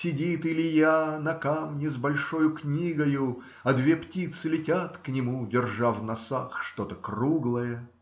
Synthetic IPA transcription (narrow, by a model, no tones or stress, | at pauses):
sʲɪdʲit̪ɨlʲɪjanɐkamnʲɪzbɐlʲʂo̞jʊknʲiɡəjʊ | ɐd̪vʲeptʲit̪sɨlʲɪtʲat̪knʲɪmudʲɪrʐavnɐsaxʂt̪o̞t̪əkruɡlˠəjə